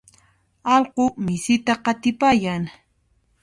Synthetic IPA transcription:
ɑlqomɪsɪt̪aqɑt̪ɪpajaŋ

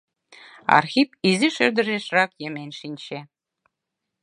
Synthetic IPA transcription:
ɑ̰rxʲipiziʃɘ̆rd̪ɘ̆ʒeʃrɑkjĕmʲenʲʃinʲt͡ɕe

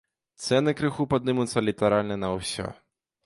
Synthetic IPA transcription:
t̪sɛnɨkɾɨxupad̪̚nɨmut̪sːɐlʲit̪aɾalʲnɐnɐwsʲɔ̰

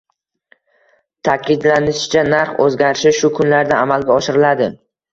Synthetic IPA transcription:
t̪ʰakʲɪd̪lanɪʃɪ̥t͡ʃʰanaɾχɵ̰zɡʲaɾɪʃɪʃʊkʰʊnlaɾd̪aamalɡʲaɒʃɪɾɪlad̪ɪ

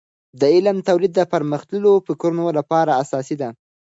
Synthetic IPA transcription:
d̪əɪlamt̪awlid̪ːəpəɾməxt̪əlofɪkɾunolapɑɾaːsɑsid̪a

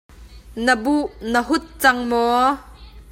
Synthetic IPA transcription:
nəbuʔnəɦʊt̪̚t͡sɐŋmɔ

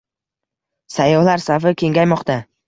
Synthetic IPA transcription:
sajːɒhlaɾsafɪkʲʰe̞ŋɡʲajmɒqt̪a

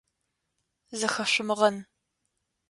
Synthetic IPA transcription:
zɐxɐɕʷʊmɨʁɐn

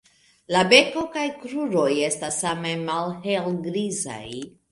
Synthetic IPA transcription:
labe̞ko̞kajkɾuɾo̞je̞stasame̞malhelɡɾiza̰j

